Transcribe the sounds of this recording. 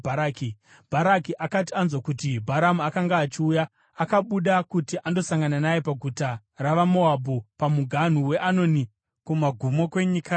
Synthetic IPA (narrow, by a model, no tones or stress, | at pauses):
aki | b̥ʱaɾakiʔakat̬ianzwakutibʱaɾamuakaŋɡaːt͡ʃiujaː | kaɓuɗakutiʔando̞saŋɡananaje̞paɡʱuta | raʋamo̞abʱupamuɡʱan̤uwe̞ʔano̞ni | kumaɡʱumo̞kwe̞ɲika